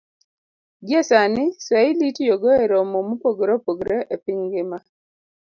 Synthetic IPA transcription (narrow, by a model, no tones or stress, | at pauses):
ɡjɛsanɪsailitjoɡɔeɾɔmomupoɡɾɔpoɡɾɛʔepɪŋɡɪma